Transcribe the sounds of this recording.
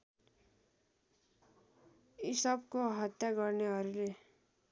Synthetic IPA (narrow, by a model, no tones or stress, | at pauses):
isʌb̚koɦət̪jaɡʌɾneɦʌɾile